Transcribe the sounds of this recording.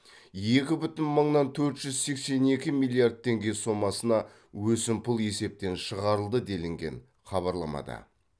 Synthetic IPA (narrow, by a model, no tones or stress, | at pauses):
je̞kʲɪbʏt̪ɪnməɴnɑnt̪ʰɵɾt̪ʒ̥ʏzse̞kse̞ne̞kʲɪmilʲˠijard̪̚t̪ʰːe̞ŋɡʲe̞so̞mːɑsənɑ | wɵsɪmpʰʊlˠe̞se̞p̚t̪e̞nʃəʁɑɾəlˠd̪əd̪e̞lɪŋɡʲe̞̰n | χɑβɑɾlˠɑmɑ̰d̪ɑ̰